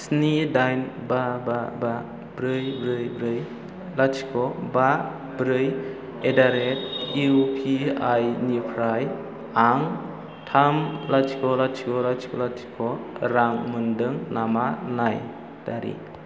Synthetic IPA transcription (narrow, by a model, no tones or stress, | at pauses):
snidajnbababa | bɾɯjbɾɯjbɾɯj | lat͡ʃʰi̥kʰɔba | bɾɯj | edaɾet̚iupʰiajnipʰɾaj | aŋ | tʰamlatʰi̥kʰɔlat͡ʃʰi̥kʰɔlat͡ʃʰi̥kʰɔlatʰi̥kʰɔɾaŋmɯndɯŋnamanaj | d̥aɾḭ